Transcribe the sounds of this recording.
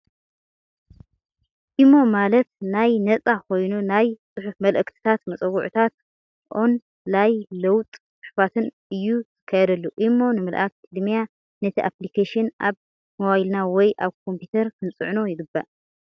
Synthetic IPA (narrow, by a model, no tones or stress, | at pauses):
ʔimːo̞malɐt̪̚najnɐt͡sʼakʰo̞jnunajsʼɨħufmɐlʔɨkt̪ʰi̥t̪ʰat̪mɐt͡sʼɐwuʕut̪ʰat̪̚ | ʔon | lajlɐwt̪ʼt͡sʼɨħufat̪ʰɨn | ɨjːuzɨ̥kʰːɐjɐd̪ɐlːuʔimːo̞nɨmɨlʔak̚t̪ʰid̪mija | nɐt̪ʰiʔaplikʰeʃɨnʔaβ | mowajlnawɔjʔaβkʰo̞mpjit̪ʰɐɾkʰɨnt͡sʼɨʕno̞jɪɡɨbːa̰ʔ